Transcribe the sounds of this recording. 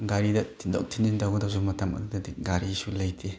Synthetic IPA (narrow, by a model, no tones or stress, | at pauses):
ɡaɾidɐtʰinda̰w̚tʰinindawɡɯdawzumːɐtʰamɐ̰dudɐdiɡaɾiːsulɐjtʰe